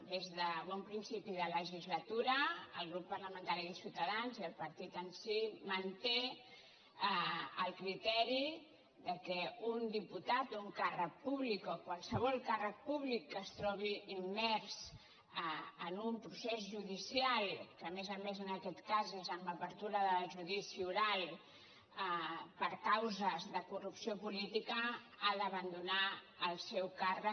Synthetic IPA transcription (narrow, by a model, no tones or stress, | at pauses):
d̪ezðəβɔmpɾinsipiðələʒizlət̪uɾəəlˠɣɾupːərləmənt̪aɾiðəlˠsiwt̪əðanziəlˠpəɾt̪it̪ənsimənt̪e | əlˠkɾit̪ɛɾi | ðəkɛund̪iput̪at̪ouŋkarək̚puβlikokwalˠsəβ̞ɔlˠkarək̚puβlikːəst̪ɾɔβ̞iimːɛɾz | ənumpɾusezʒuðisialˠkəːmezəmezənəkɛt̪kazezəmbəpəɾt̪uɾəðəlʒuðisiuɾalˠ | pəɾkawzəzðəkurupsiopulit̪ikə | aðəβənd̪una | əlˠsɛwkarə